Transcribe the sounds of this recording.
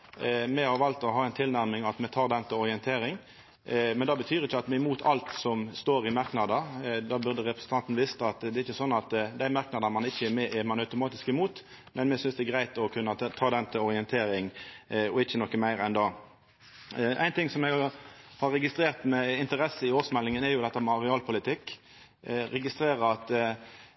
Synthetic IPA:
mɛhɑɾʋɑlt̪ɔɦɑːɛɪnt̪ʰɪlnæʁmɪŋɑt̪mɛt̪ʰɑːʁd̪ɛnt̪əɔʁɪɛnt̪ʰeːɾɪŋ | mɛnd̪ɑːbət̪ʰyːɾɪçːəɑt̪mɛɪmuːt̪ʰɑ̰lt̪sɔmst̪oːɾɪmɑʁknɑd̪əd̪ɑːbʉʁd̪əʁɛpɾəsn̩t̪ʰɑnt̪nəʋɪst̪əɑt̪d̪ɛːɪçːəsɔnːɑt̪d̪æɪmɑʁknɑd̪ənmɑnɪçːəɛɾmɛːʔɪmɑnɑʉt̪ʊmɑːt̪ɪskɪmuːt̪ | mɛnmɛsʏnsd̪ɛɛɡɾæɪt̪ɔkʰʉnːət̪ʰɑːd̪ɛnt̪ʰɪlɔɾɪɛnt̪ʰeːɾɪŋɔɪçːənɔkːəmæɪɾɛnd̪ɑ | ʔæ̰ɪnt̪ɪŋsɔmɛɡhɑɾːɛɡɪst̪ɾeːʁt̪mɛɪnt̪əɾɛsːəɪoːsmɛlːɪŋənɛɾjʊd̪ɛt̪ːəmɛɑʁɪɑːlpʰʊlɪt̪ʰɪkː | ɾɛɡɪst̪ɾeːɾəɾɑt̪

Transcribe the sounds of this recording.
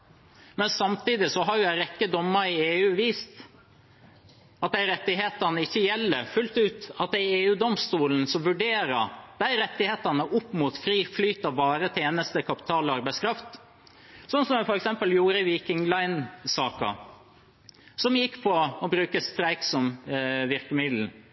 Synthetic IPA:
mɛnsɑmt̪ʰiːd̪ɪsɔɦɑɾjʊæɪɾɛkːəd̪ɔmːəɾɪeːʉːʋiːst̪ | ɑt̪̚d̪æɪɾɛt̪ːɪɦeːt̪ɑnəɪçːəjɛlːəɾfʉlt̪ʉːt̪ɑt̪̚d̪ɛɪeːʉːd̪ɔmst̪uːln̩sɔmʋʉɖeːɾɑ̰d̪̥æɪɾɛt̪ːɪheːt̪ɑnəʔʊpːmuːt̪fɾiːflyːt̪ɑʋbɑːɾət̪ʰeːnəst̪əkʰɑpɪ̥t̪ʰɑːlɔɑɾbæɪskɾɑft̪ | sɔnːsɔmɛfɔɾɛksɛmpəljuːɾəʋiːkɪŋlɑɪnsɑːkɑ̰ | sɔmjɪkːpʰɔɔbɾʉːkəst̪ɾæɪksɔmʋɪɾkəmɪd̪l̩

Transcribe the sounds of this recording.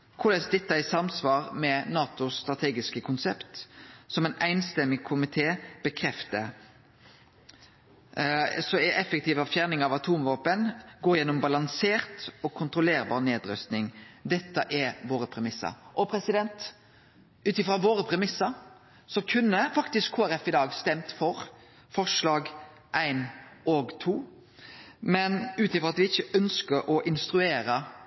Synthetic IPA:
kʰʊlɛsd̪ɛt̪ːəɪsɑmsʋɑːɾmɛnɑːt̪ʊst̪ɾɑt̪ʰeːɡɪskəkʰʊnsɛpt̪sɔmæɪnæɪnst̪ɛmːɪkʰʊmɪt̪ʰeːb̥əkʰɾɛft̪ə | sɔɛʔɛfɛkt̪ʰiːʋɑfjæːʁnɪŋɑʋɑt̪ʰuːmʋɑːpənɡoːɾjɛnːɔmbɑlɑŋseːɾt̪ɔkʰːʊnt̪ɾʊleːɾbɑ̰ːʁneːd̪ɾœ̰st̪nɪŋd̪ɛt̪ːəʔɛɾʋoːɾəpʰɾɛmɪsːə̰ɾʔɔpʰɾɛsɪd̪ɛnt̪ | ʉːt̪ɪfɾɑʋoːɾəpʰɾɛmɪsːəɾ | sɔkʰʉnːəfɑkt̪ɪskʰoːæɾɛfɪd̪ɑːɡst̪ɛmt̪fɔɾ | fɔʂlɑːɡ | ʔæɪnɔɡt̪ʰuː | mɛnʉːt̪ɪfɾʁɔɑt̪ʋɪɪçːəʔœnskəɾʔɔʔɪnst̪ɾʉeːɾə

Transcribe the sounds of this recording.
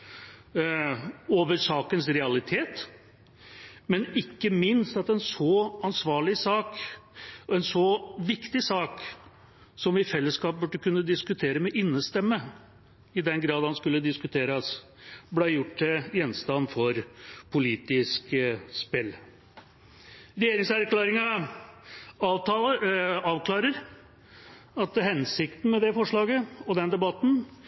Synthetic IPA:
oːʋəɾʂɑːkənsɾɛɑlɪt̪ʰeːt̪ | mɛnɪkːəmɪnst̪ɑt̪ɛnsɔɑnsʋɑːɭɪsɑːk | ɔɛnsɔʋɪkt̪ɪsɑːk | sɔmɪfɛlːəskɑːp̚bʉɖəkʉnːəd̪ɪskʉt̪ʰeːɾəmɛʔɪnːəst̪ɛmːə | ɪd̪ɛnɡɾɑːd̪hɑnskʉlːəd̪ɪskʉt̪ʰeːɾɑs | blæɪjʊʈːɪjɛnst̪ɑnfɔɾpʰʊliːt̪ɪskspɪl | ɾɛjeːɾɪŋsæɾklæːɾɪŋɑ | ɑːʋkʰlɑːɾəɾ | ɑt̪hɛnsɪkt̪n̩mɛd̪ɛfɔʂɭɑːɡəɔd̪ɛnd̪ɛbɑt̪n̩

